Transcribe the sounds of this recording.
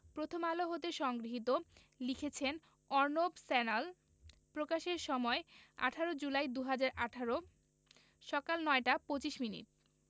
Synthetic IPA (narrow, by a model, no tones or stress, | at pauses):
pɾot̪ʰomaloɦot̪eʃɔŋɡɾiɦit̪o | likʰet͡ɕʰen | ɔɾnobsɛnal | pɾokaʃeɾʃɔmɔea̰ʈʰaɾod͡ʑulajd̪uɦad͡ʑaɾʔaʈʰaɾo | ʃɔkalnɔeʈapot͡ɕiʃminḭʈ